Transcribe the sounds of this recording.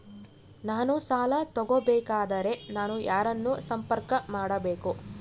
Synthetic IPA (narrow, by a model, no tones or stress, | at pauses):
naːnusaːlɐt̪ɔɡobɛːkaːd̪ɐɾe̞naːnujʔaːɾɐnːusɐmpɐɾkɐmaːɽɐbeːku